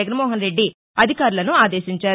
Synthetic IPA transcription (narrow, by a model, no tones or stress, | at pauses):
ɐɡɐnmɔːɦɐnɾe̞ɖːi | ɐd̪ʱikaːɾulɐnuaːd̪e̞ːʃiɲt͡ʃaː